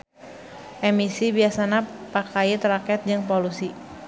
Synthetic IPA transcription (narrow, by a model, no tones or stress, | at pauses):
ʔɛmisibiasanapakait̪ɾakɛt̪̚d͡ʒɨŋpolusi